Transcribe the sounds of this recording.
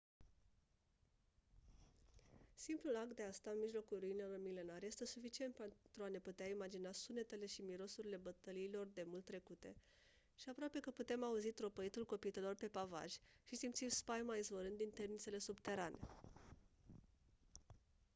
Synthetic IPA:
simplulak̚t̪d̪e̞ast̪anmiʒlo̞kulruinelo̞rmile̞narje̞st̪e̞sufit͡ʃie̞nt̪̚pet̪ɾuane̞put̪eaimad͡ʒinasune̞t̪e̞le̞ʃimiɾo̞suɾile̞bət̪əliːlo̞rd̪e̞mult̪ːɾe̞kut̪e̞ | ʃiapɾoape̞kəput̪e̞mauzit̪ɾo̞pəit̪ulko̞pit̪elo̞rpe̞pava̰ʒʲʃisimt̪simspajmaizvoɾɨnd̪int̪e̞rnit̪se̞le̞subt̪e̞ɾane̞̰

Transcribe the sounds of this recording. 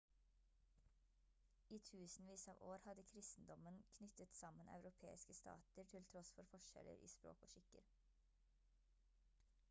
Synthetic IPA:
iːt̪ʰʉːsn̩ʋiːsɑːʋoːɾhɑd̪əkʰɾɪst̪n̩d̪ɔmənkʰnʏt̪ət̪sɑmənʔɑ̰ʉɾʊpʰeːɪskəst̪ʰɑ̰ːt̪əɾʈʰɪlt̪ʰɾɔsfɔɾfɔʃɛ̰lə̰ɾʔḭːspɾo̰ːkoːʃɪkə̰ɾ

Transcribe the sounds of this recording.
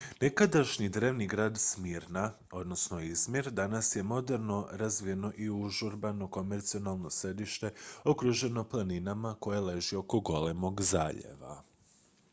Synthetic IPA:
nekad̪aʃɲid̪ɾe̞ːʋniɡɾaːd̪smiːɾna | o̞d̪no̞sno̞izmjeɾd̪anasje̞mo̞d̪e̞ɾno̞ɾazʋije̞no̞ʔiuʒuɾbano̞ko̞meɾt̪sio̞nalˠno̞sɾe̞d̪iʃt̪e̞o̞kɾuʒe̞no̞plˠaninamako̞jele̞ʒio̞ko̞ɡo̞le̞mo̞ɡzaːʎḛʋa̰

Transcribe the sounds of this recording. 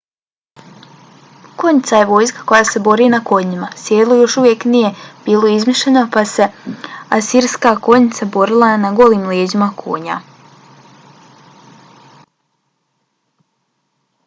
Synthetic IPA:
ko̞ɲit̪saje̞ʋo̞ːjskḁko̞jaːse̞bo̞ɾiːnako̞ɲimasjeːlˠujo̞ʃuʋje̞knije̞b̥iːlˠoizmiʃʎenopase̞asiɾskako̞ɲit̪sabo̞ɾilˠanaɡo̞liːmleːd͡ʑimakʰo̰ːɲa̰

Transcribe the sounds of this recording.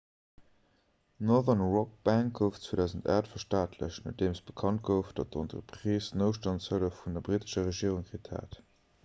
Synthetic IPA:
nɔðənʁɔk̚b̥æŋk̚ɡəʊft͡swedæːʊzənta̰ːtfɐʃtaːtʰlə̰ɕnət̚d̥eːməsb̥əkʰɑnt̚ɡəʊfd̥ɑt̚dəɑntʁəpχiːsnəʊʃtɑnt͡shələfundɐbʁitə̥ʃɐʁəʒiəʁuŋkʁitha̰ːt

